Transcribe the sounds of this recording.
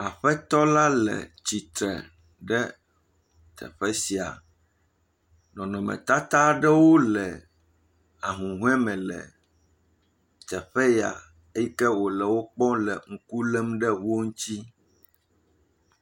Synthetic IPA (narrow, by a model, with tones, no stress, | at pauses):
a˨ɸɛ˦t̪ɔ˦la˦lɛ̰˨t͡ɕi˨t̪ɾɛ̰˨ | ɖɛ˦ | t̪ʰɛ̰˨ɸɛ˦si˨a̰˨ | nɔ̃˨nɔ̃˨mɛ̰˨t̪a˦t̪a˦ɖɛ˦wo˦lɛ˨ | a˨ɦũ˨ɦũ˦ɛ˦mɛ̃˨lɛ̰˨ | t̪ɛ˨ɸɛ˦ja̰˨ | e˦jɛ˦kɛ˦wo˨lɛ˨wo˦k͡pɔ̃˦lɛ˨ŋ̩˦˨ku˦lɛ˦mɖɛ˦wo˦ŋ̩̃˦t̪i˦